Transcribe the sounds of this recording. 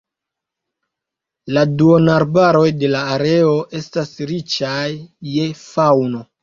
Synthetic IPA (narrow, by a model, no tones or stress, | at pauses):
laduonaɾbaɾo̞jde̞laːɾe̞o̞ʔe̞stasɾit͡ʃajːe̞fawno̞